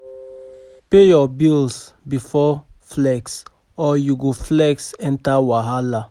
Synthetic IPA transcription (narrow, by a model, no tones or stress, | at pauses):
pejɔbils | bifɔ | flɛks | ɔjuɡoflɛksɛ̃ntawaɦala